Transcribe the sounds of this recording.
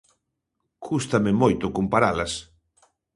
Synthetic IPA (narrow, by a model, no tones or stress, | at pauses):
kʰust̪amɪmojt̪ʊkompaɾalas